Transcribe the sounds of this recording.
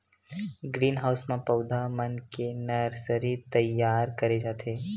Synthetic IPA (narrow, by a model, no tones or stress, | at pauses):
ɡɾiːnɦaːʊsmãpɐʊd̪ʱamənkenɐɾsəɾit̪ɐjaːɾkɐɾed͡ʒaːt̪ʰeː